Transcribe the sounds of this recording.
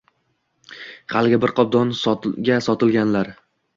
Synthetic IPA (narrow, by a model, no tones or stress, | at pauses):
χalɡʲɪbɪɾqʰɒb̚d̪ɒnsɒɡʲasɒt̪ʰɪlɡʲanlaɾ